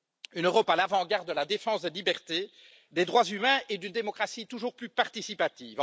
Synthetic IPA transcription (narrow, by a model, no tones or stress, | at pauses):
ynøʁɔpalavɑ̃ɡaʁd̪ːəlad̪efɑ̃sd̪elibɛʁt̪e | d̪ed̪ʁwazymɛ̃ʔed̪ynd̪emɔkχasit̪uʒuːʁplypaʁt̪isipat̪iːv